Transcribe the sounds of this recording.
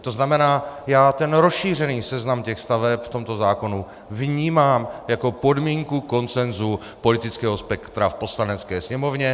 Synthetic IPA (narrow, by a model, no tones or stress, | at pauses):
t̪o̞znamɛnaːjaːt̪ɛnɾosʃiːr̝ɛniːsɛznamcɛxst̪avɛpft̪o̞mt̪o̞zaːko̞nu | vɲiːmaːmjako̞po̞dmiːŋkuko̞nt͡sɛnzu | po̞lɪt̪ɪt͡skɛːɦo̞spɛkt̪ɾafpo̞slanɛt͡skɛːsɲɛmo̞vɲɛ